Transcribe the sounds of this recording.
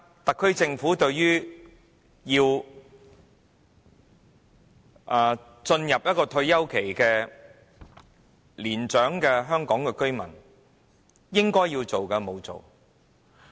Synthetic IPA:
t̪ɐ˨kʰːɵ˥ɥt͡sɪ˧ŋfuː˨˥t̪ɵ˧ɥɥyː˥ | jiː˧w | ʔaː˨˩ | t͡ʃɵ˧njɐ˨p̚jɐ˥t̚kɔː˧t̪ʰɵ˧ɥjɐ˥wkʰe˨˩jkɛː˧ | liː˨˩nt͡ʃœː˨˥ŋkɛ˧ɦœː˥ŋkɔː˨˥ŋkɛ˧kɵ˥ɥmɐ˨˩n | jɪ˥ŋkɔː˥jːiː˧wt͡so˨wkɛ˧mo˨˧wt͡so̰˨w

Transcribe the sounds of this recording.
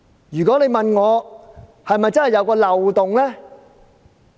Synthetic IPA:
jyː˨kɔ˨˥le˨˧jmɐ˨nŋɔː˨˧ | hɐ˨jmɐ˨jt͡sɐ˥nhɐ˨jɐ˨˧wkɔː˧lɐ˨wt̪ʊ˨ŋlɛː˥

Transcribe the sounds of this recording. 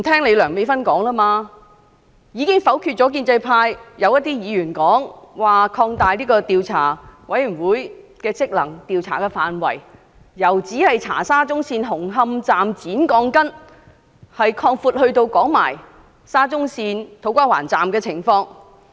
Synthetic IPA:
m̩˨˩t̪ʰɛː˥ŋle˨˧jlœː˨˩ŋme˨˧jfɐ˥nkɔː˨˥ŋlaː˥maː˧ | jiː˨˧kɪ˥ŋfɐ˨˥wkʰy˧t̚t͡ʃɔ˨˥k̬iː˧nt͡sɐ˧jpʰaː˧jjɐ˨˧wjɐ˥t̚t̪iː˥jiː˨˧jyː˨˩nkɔː˨˥ŋwaː˨˩kʰɔː˧ŋt̪aː˨˧jliː˥kɔː˧t̪iː˨wt͡sʰa̰ː˨˩wɐ˨˥jy˨˩nwuː˨˥jkɛː˧t͡sɪ˥k̚lɐ˨˩ŋt̪iː˨wt͡sʰaː˨˩kɛː˧faː˨nwɐ˨˩j | jɐ˨˩wt͡siː˨˥hɐ˨jt͡sʰa̰ː˨˩saː˥t͡sʊ˥ŋsiː˧nɦʊ˨˩ŋɦɐ˧mt͡saː˨mt͡siː˨˥nkɔː˧ŋkɐ˥n | hɐ˨jkʰɔː˧ŋfuː˧t̚hɵ˧ɥt̪o˧wkɔː˨˥ŋma̰ː˨˩j | saː˥t͡sʊ˥ŋsiː˧nt̪ʰo˨˧˥wkʷaː˥wa̰ː˨˩nt͡saː˨mkɛː˧t͡sʰɪ˨˩ŋfɔː˧ŋ

